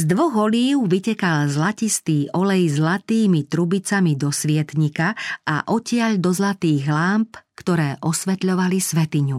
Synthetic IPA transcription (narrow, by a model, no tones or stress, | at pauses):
zd̪ʋɔɣɔliːʊʋicɛkalzlacist̪iːʔɔlɛjzlat̪iːmit̪ɾubit͡samid̪ɔsʋɪɛt̪ɲikaʔa̰ʔɔcɪaʎd̪ɔzlat̪iːɣlaːmpkt̪ɔɾɛːʔɔsʋɛt̪ʎɔʋalisʋɛt̪iɲu